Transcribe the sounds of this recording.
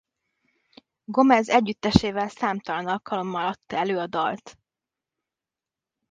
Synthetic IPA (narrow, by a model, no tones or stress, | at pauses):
ɡo̞mɛzɛɟːyt̪ːɛʃeːvɛlsaːmt̪ɒlɒnɒlkɒlo̞mːɒlɒt̪ːɒɛløːɒd̪ɒlt̪